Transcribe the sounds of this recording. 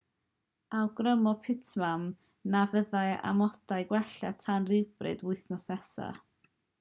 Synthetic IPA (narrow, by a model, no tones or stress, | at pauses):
awɡrəmɔpʰɪtʰmam | navəðaja̰mɔdaɨɡwɛɬatʰanrɪwb̥rɨ̰dwʊɨθnɔsnɛsa̰